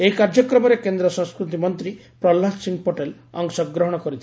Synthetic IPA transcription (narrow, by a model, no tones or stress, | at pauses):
ekaɾd͡ʒɔkɾɔmɔɾekend̪ɾɔsɔŋskɾut̪̬imɔnt̪ɾi | pɾɔlːasiŋɡpoʈel | ɔ̰ŋsɔkɡɾɔɦɔɽ̃ɔkɔɾit̪ʰi